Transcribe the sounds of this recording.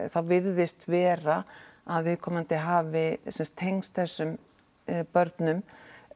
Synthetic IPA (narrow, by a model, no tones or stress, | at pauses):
θawvɪɾðɪst̪vɛːɾaaðvɪðkʰɔːmant̪ɪɦaːvɪsɛnst̪ʰːejŋst̪θɛsːʏm | pœɾt̪nʏm